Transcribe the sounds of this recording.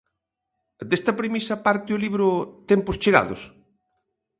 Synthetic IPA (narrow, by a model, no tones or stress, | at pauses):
d̪est̪ɐpɾemisɐpaɾt̪ɪʊliβɾʊt̪empʊst͡ʃeɣa̰ðʊ̰s